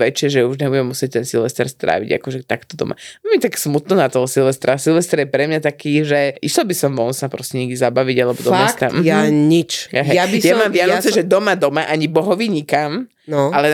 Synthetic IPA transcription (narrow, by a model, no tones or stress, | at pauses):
ʋɛt͡ʃɪɛʒɛuʒɲɛbuɟɛmːusɪɛc̚t̪ɛnsilʋɛst̪ɛ̰ɾst̪ɾʔa̰ːʋḭɟa̰kɔʒɛt̪akt̪ɔd̪ɔ̰mʔa̰ɛlmit̪aksmut̪nɔnat̪ɔɦɔsilʋɛst̪ɾasilˠʋɛst̪ɛɾjɛpɾɛmɲat̪akiːʒɛʔist̪ɔbisɔmʋɔnsapɾɔscɛɲɛɡd̪izabaʋiɟalɛbɔd̪ɔɛst̪amjaɲit͡ʃaɦɛjabisjamamɪanɔt͡sɛʒɛd̪ɔmad̪ɔmaʔaɲibɔɦɔʋiɲikam | nɔalɛ